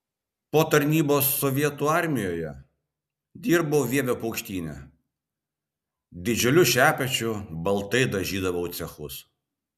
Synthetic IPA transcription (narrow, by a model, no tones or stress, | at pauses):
poːt̪ɐɾʲnʲiːboːsːɔʋʲiɛt̪uːɑɾʲmʲɪjoːjɛ | d̪ʲiːɾboːʋʲiɛʋʲoːpɐʊkʃʲt̪ʲiːnʲɛ̰ | d̪ʲɪd͡ʒʲʊlʲʊʃʲæːpʲɛt͡ʃʲʊbɐlˠt̪ɐɪd̪ɐʒʲiːd̪ɐʋɐʊt̪sʲɛxʊs